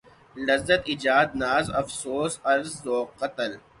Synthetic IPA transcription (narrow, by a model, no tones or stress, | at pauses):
lɐzːət̪id͡ʒaːd̪̚naːzɐfsoːsɐɾzːoːqɐt̪əl